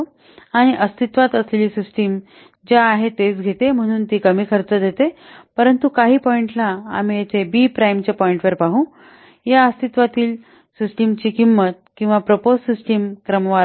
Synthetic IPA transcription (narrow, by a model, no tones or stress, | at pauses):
aɽ̃iʔəst̪it̪ʋat̪əsleliːsisʈim | d͡ʑaːɦet̪et͡sɡʱet̪em̤əɽ̃uːnt̪iːkəmiːkʰəɾt͡səd̪ʱet̪epəɾənt̪ukaɦiːpɔiɳʈla̰ːm̤ijat͡sebiːpɾajmt͡ɕepɔiɳʈʋəɾpaɦũː | jaəst̪it̪ʋat̪iːl | sisʈimt͡ɕiːkimːət̪̚kĩw̃ʋapɾəpossisʈimkɾəmʋaɾ